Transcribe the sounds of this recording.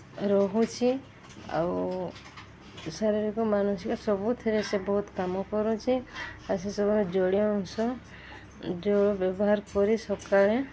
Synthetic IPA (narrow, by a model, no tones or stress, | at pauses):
ɾɔɦut͡ʃʰi | a̰w | saɾiɾikɔmanusikɔsɔbut̪ʰeɾesebɔɦut̪kamɔkɔɾut͡ʃʰiasesɔbɔmed͡ʒɔɽiɔŋsɔ | d͡ʒobjɔbɔɦaɾkɔɾisɔkaɭe